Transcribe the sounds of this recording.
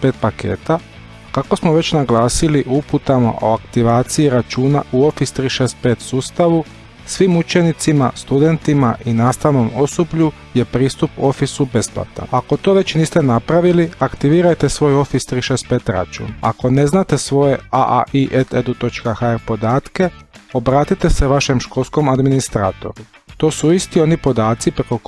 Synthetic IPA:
peːt̪̚pake̞̰ːt̪a | kako̞smoʋe̞t͡ɕnaɡlaːsiliʔuput̪amo̰ʔo̰akt̪iʋaːt̪siiɾat͡ʃuːna̰ʔuo̞fist̪ɾiːʃeːst̪̚peːt̪suːst̪aʋu | sʋimut͡ʃe̞nit̪simast̪ud̪e̞nt̪imaʔinaːst̪aʋno̞mo̞sobʎu | je̞pɾiːst̪upo̞fisube̞spla̰t̪a̰nako̞t̪o̞ːʋe̞t͡ɕniːst̪e̞napɾaʋiliakt̪iʋiːɾajt̪esʋo̞ːjo̞fist̪ɾiʃeːst̪̚peːt̪ɾa̰t͡ʃṵːna̰ko̞ne̞znat̪e̞sʋo̞je̞aʔa̰ʔiʔet̪ed̪ut̪o̞t͡ʃkaxaeɾpo̞d̪aːt̪ke̞o̞bɾaːt̪it̪e̞se̞ʋaʃe̞mʃko̞lˠsko̞mad̪minist̪ɾaːt̪o̞̰ɾu | t̪o̞ːsuist̪io̞nipo̞d̪aːt̪sipɾeko

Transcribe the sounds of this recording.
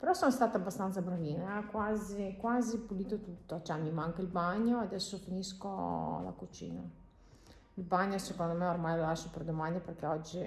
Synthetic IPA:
peɾɔsɔnst̪aːt̪abːast̪ant̪sabɾaviːneakwazikwazipuliːt̪ot̪ut̪ːot͡ʃɛmimaŋkailbaɲːoad̪ɛsːofiniskola̰kut͡ʃḭːna̰ | ilbaɲːosekond̪omɛormajlolaʃoperd̪omand̪iperkɛɔd͡ʒːi

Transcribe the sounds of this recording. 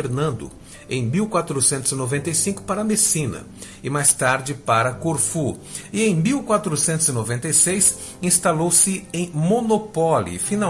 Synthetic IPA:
eɾnɐ̃nd̪ʊ̰ | ẽj̃miwkwat̪ɾʊsẽnt̪ʊzɪnovẽnt̪ejsĩŋkʊ̥paɾɐmesĩnɐ̰ | ɪmajst̪aɾd͡ʒɪpaɾɐkoɾfu | ɪẽj̃miwkwat̪ɾʊsẽnt̪ʊzɪnovẽnt̪ejsejs | ĩst̪alowsɪẽj̃monopɔlḭfina

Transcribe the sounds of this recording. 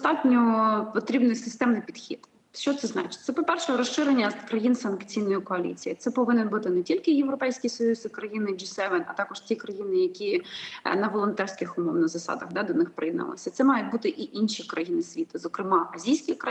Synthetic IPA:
st̪ɑtʲnʲɔpɔt̪ɾʲibnɪjsɪst̪ɛmnɪjpʲid̪xʲḭd̪̥ | ʃt͡ʃɔt̪sɛznɑ̰t͡ʃɪ̥t̚ʲt̪sɛpɔpɛrʃɛɾɔsʃɪɾenʲːɐkɾɐjinsɐnkt͡sʲijnɔjʊkɔɐlʲḭt͡sʲijit̪sɛpɔʋɪnɪnbut̪ɪnɛtʲilʲkɪjewɾɔpɛjsʲkʲisɔjuzɪkɾɐjinɪd͡ʒisɛʋɛnɐ̰t̪ɑkɔʃtʲikɾɐjinɪjɐkʲinɐʋɔlˠɔnt̪ɛrsʲkɪxʊmɔwnɐzɐsɑ̰d̪ɐɣd̪ɑd̪ɔnɪxpɾɪid̪nɐ̰lˠɪ̰sʲɐt̪sɛmɑjʊt̚ʲbut̪ɪʔiʔinʃikɾɐjinɪsʲʋʲit̪ɐzɔkɾɪmɑʔɐzʲijsʲkʲikɾɐ

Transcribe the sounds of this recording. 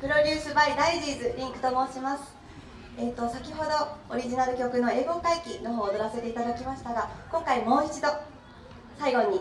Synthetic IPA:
pɯ̟ɾo̞dʲɯːsɨbaid̪aiʑiːzɨɾʲĩŋkɯ̟̥t̪o̞mo̞ːɕimasɨ̥ | e̞ːt̪ːo̞sakʲiɦo̞d̪o̞oɾʲiʑinaɾɯ̟kʲo̞kɯ̟no̞e̞ːɡo̞kaikʲino̞ɦoːd̪o̞ɾase̞t̪e̞it̪ad̪akʲimaɕi̥t̪aɡakõ̞ŋkaimo̞ːit͡ɕid̪o̞ | saiɡo̞ɲ̟i

